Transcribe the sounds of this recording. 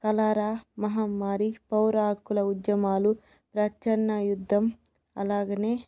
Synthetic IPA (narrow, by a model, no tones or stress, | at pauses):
kɐlaːɾaːmɐɦaːmːaːɾipɐwɾaːkːulɐud̪jɐmaːlu | pɾɐt͡ʃɐnːɐjud̪ʱːɐm | ɐ̰laːɡɐneː